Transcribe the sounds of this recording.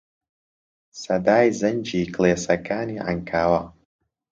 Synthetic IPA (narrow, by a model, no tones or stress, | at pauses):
sɐd̪aːjzɐnʲd͡ʒikleːsɐkʰaːniːʕa̰ŋkʰaːwɐ